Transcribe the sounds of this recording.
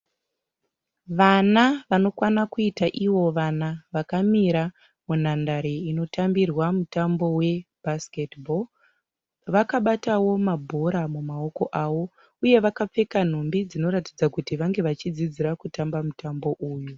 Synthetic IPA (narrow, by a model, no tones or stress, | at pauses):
ʋanaʋano̞kwanakuitaʔiwo̞ʋanaʋakamiɾa | mun̤andaɾeino̞tʰambirwamutambo̞we̞bʱasketbol | ʋakaɓatawo̞mabʱoɾamumao̞ko̞ʔawo̞ | uje̞ʋakap͡fe̞kan̤umbid͡zino̞ɾatid͡zakutiʋaŋɡe̞ʋat͡ʃid͡zid͡ziɾakutambamutambo̞ʔuːju